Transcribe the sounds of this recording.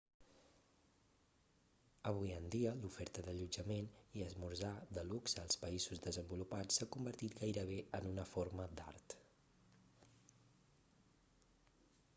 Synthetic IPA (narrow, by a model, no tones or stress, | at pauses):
əβ̞ujənd̪iəlufɛɾt̪əðəʎud͡ʒəmeniəzmuɾzaðəlukzəlˠspəizuzðəzəmbulupat͡sːakumbəɾt̪it̪ɡajɾəβ̞eənunəfoɾməd̪a̰rt̪